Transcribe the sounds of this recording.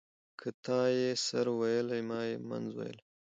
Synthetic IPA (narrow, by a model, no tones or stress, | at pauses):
kʰət̪ɑːjesaɾwajəlajmɑːjema̰nzwa̰jə̰l